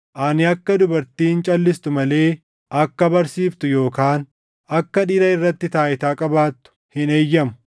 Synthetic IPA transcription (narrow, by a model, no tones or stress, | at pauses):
ʔaːnɪɐkːɐd̪ʊbɐɾt̪iːnt͡ʃʼɐlːɪst̪ʊmɐle̞ː | ʔɐkːɐbɐɾsiːft̪ʊjo̞ːkaːn | ɐkːɐᶑɪːɾɐɪrːɐt̪ːɪt̪aːʔɪt̪aːkʼɐbaːt̪ːʊ̥hɪneːjːɐmʊ̥